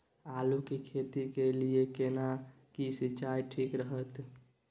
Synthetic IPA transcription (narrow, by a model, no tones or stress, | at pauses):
alukekʰet̪ikeliekena | kisit͡ʃajʈʰikɾəɦət̪